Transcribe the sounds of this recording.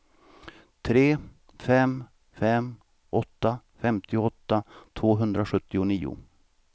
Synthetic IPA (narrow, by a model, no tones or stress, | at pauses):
t̪ʰɾeː | fɛm | fɛm | ʔɔt̪ːafɛmt̪ʰɪʊɔt̪ːat̪ʰvoːɦɵnd̪ɾaɧɵt̪ːɪʊniːʊ̰